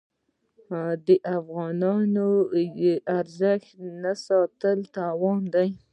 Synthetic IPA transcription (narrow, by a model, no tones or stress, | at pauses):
d̪əʔafɣɑnɑno | ʔaɾzəxt̪nasɑt̪əlt̪awɑnd̪aj